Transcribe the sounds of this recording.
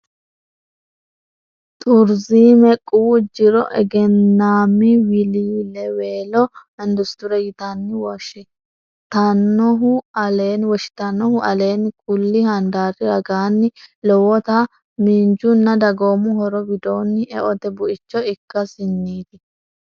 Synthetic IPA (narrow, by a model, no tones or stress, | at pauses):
t̪ʼʊɾziːmɛkʼːuːd͡ʒɪɾɔʔɛ̰ɡɛnːaːmːɪwɪliːlɛweːlɔ | ɛnd̪ʊst̪ʊɾɛjɪt̪ɐnːɪwɔʃɛ | t̪ɐnːɔɦʊɐleːnwɔʃɪ̥t̪ɐnːɔhʊʔɐle̞ːnkʼʊlːɪhɐnd̪aːrɪɾɐɡaːnːɪlɔwɔt̪a | mind͡ʒʊnːɐd̪ɐɡoːmʊhɔɾɔwɪd̪oːnːɪɛ̰ʔɔd̪ɛbʊʔɪt͡ʃːɔɪkːɐsɪnːiːd̪ɪ